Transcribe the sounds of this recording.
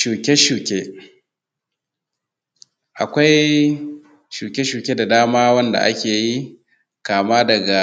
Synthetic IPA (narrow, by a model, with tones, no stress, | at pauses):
ʃuː˨kʲe˦ʃuː˨kʲe˦ | ʔa˨kʷa˦j | ʃuː˨kʲe˦ʃuː˨kʲeː˦da˨daː˦maː˦wɐ˦nda̰˨ʔa̰˦kʲeː˨ji˦ | kaː˨maː˦dɐ˨ɡa˨